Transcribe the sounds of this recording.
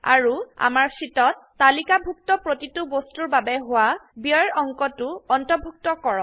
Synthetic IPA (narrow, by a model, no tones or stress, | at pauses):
a̰ɹua̰maɹsitɔtːalikabʱuk̚tɔpɹotitubostuɹbabɛɦʊwabiɔɹɔŋkɔtʊɔntɔbʱuk̚tɔkɔɹɔ